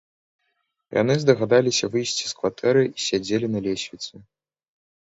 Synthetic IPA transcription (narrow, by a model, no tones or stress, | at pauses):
ja̰n̪ɨzd̪ɐɣad̪alʲisʲɐvɨjsʲt͡sʲi̥skvat̪ʰɛɾɨisʲad͡zʲelʲinɐlʲesʲvʲit̪sɨ